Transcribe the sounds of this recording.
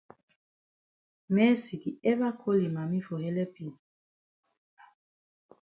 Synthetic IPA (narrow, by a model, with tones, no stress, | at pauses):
mɛ˦si˨ki˨ɛ˦βa˦kʰo˦li˨ma˨mi˦fo˨hɛ˦lɛ˦pi˨n